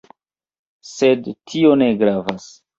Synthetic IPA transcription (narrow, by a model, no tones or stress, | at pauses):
sedtʰio̞ne̞ɡɾavas